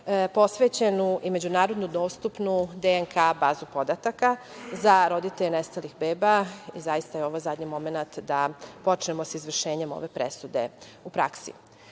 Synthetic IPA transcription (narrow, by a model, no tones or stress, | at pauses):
po̞sʋeːt͡ɕe̞nuʔime̞d͡ʑunaːɾo̞d̪nud̪o̞ːst̪upnud̪eŋkʰabaːzupo̞d̪at̪aka | zaɾo̞d̪it̪eʎnest̪alixbeːbaizajist̪ajeo̞ʋozad̪ɲimo̞me̞nat̪d̪apo̞t͡ʃnemo̞sizʋr̩ʃe̞ːɲe̞mo̰ʋe̞pɾḛsud̪e̞̰ | upɾa̰ksḭ